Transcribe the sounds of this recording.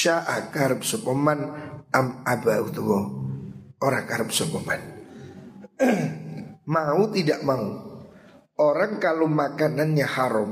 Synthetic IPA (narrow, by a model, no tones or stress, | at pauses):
aʔakaɾp̚sɔpəmanamabaut̪ubɔ | oɾakaɾp̚sɔpəman | maut̪idaʔmau | ʔoɾaŋkalomakananɲahaɾɔm